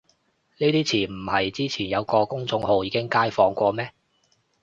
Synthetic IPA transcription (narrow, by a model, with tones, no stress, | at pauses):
niː˥t̪iː˥t͡sʰiː˨˩nm̩˨˩hɐ˨jt͡siː˥t͡sʰiː˨˩njɐ˨˧wkɔː˧kʊ˥ŋt͡sʊ˧ŋho˨˧wjiː˨˧kɪ˥ŋkaː˥jfɔː˧ŋkʷɔː˧mɛː˥